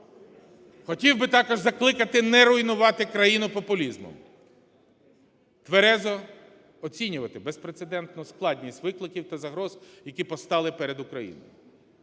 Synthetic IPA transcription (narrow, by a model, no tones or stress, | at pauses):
xɔtʲiwbɪt̪ɑkɔʒzɐklˠɪkɐt̪ɪnɛɾʊjnʊʋɑt̪ɪkɾɐjinʊpɔpʊlʲizmɔ̰m | t̪ʋeɾɛzɔ | ɔt͡sʲinʲʊʋɐt̪ɪbespɾet̪sed̪ɛnt̪nʊsklˠɑdʲnʲisʲtʲʋɪklˠɪkʲiwt̪ɐzɐɦɾɔz̥jɐkʲipɔst̪ɑlˠɪpɛɾed̪ʊkɾɐjḭnɔ̰j